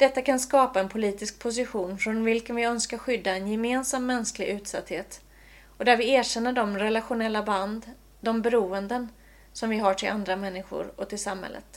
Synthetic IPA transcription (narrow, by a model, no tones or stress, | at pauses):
d̪̥ɛt̪ːakʰanskɑːpaɛnpʰʊliːt̪ɪsk̚pʰʊs̬ɪɧuːnfɾɔnvɪlkənvɪœnskaɾɧʏd̪ːaɛnjɛmeːnsamːɛnsklɪɡʉ̟ːt̪sa̰t̪heːt̪ | ɔd̪æɾvɪæːɕɛnːəɖɔmɾɛlaɧʊnɛlːaband̪ | d̪ɔmbɛɾuːənd̪ən | sɔmvɪɦaʈʰɪlʔand̪ɾamɛnːɪɧʊ̰ɾɔt̪ɪlsamhɛ̰lːə̰t̪